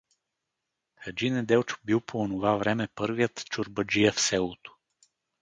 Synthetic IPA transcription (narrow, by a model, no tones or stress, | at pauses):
xɐd͡ʒinɛd̪ɛwt͡ʃbiwˠpoonovavɾɛmɛpɤɾvijət̪t͡ʃʊɾbəd͡ʒijəfsɛlˠot̪o̥